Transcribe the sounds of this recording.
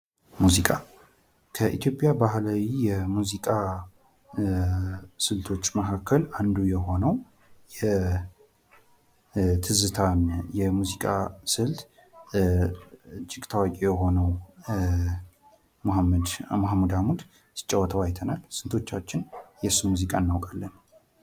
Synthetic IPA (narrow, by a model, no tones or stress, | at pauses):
muzikʼa | kʰəʔit̪ʰjo̞pʼjabahlawijɛmuzikʼa | sɨlt̪ʰo̞t͡ʃːməkʰakʰːəland̪ujɛho̞nəw | jɛ | t̪ʰɨzɨt̪ʰanjɛmuzikʼasɨlt̪ | t͡ʃʼːɪkʼt̪ʰəwakʼijɛɦo̞nəw | md̪maɦmːud̪amud̪ | sɨ̥t͡ʃʼːəwːət̪ʰəwajt̪ʰənalsɨnt̪ʰo̞t͡ʃːat͡ʃːɪnjɛsumuzikʼaɨnːawkʼalːən